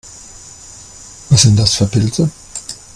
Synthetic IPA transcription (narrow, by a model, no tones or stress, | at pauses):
vasz̥ɪnt̚d̥asfyːɐpʰɪlt͡sə